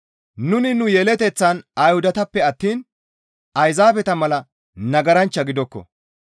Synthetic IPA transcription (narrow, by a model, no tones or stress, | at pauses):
nʊnɪnʊjɛlɛt̪ɛt͡sːɐnɐjhʊd̪ɐt̪ɐpːɛɐt̪ːiːn | ɐjzaːfɛt̪ɐmɐlɐ | nɐɡɐɾɐnt͡ʃːɐɡɪd̪ɔkːɔ̰